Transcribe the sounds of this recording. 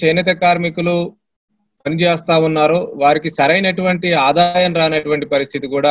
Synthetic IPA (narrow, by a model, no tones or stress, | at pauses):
t͡ʃɐjnɐt̪̬ɐkaːɾmikulu | pɐnid͡ʒɛːst̪aːunːaːɾuʋaːɾikisɐɾɐjnɐʈuʋɐɳʈiaːd̪aːjɐnɾaːɐnɐʈuʋɐɳʈipɐɾist̪ʰit̪ikuːɽaː